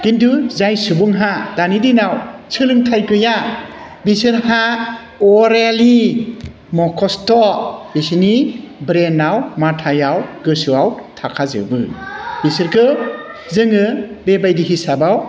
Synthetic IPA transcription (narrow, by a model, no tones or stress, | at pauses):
kintuzajsubɯŋɦad̥anidinawt͡ʃʰɯlɯŋtʰajkɯja | bisɯɾha | ɔɾli | mɔkʰɔstɔbisinibɾenawmatʰajawɡɯsɯawtʰakʰazɯ̰bɯbisɯɾkʰɯzɯŋɯbebajdiɦisabaw